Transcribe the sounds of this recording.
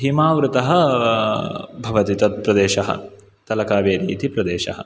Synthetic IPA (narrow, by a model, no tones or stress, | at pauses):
ɦimaːʋɾut̪ɐɦɐ̆ | bʱɐʋɐt̪it̪ɐt̪̚pɾɐd̪eːʃɐɦɐ̰ | t̪ɐlɐkaːʋeːɾḭːt̪ipɾɐd̪eːʃɐ̰ɦɐ̰̆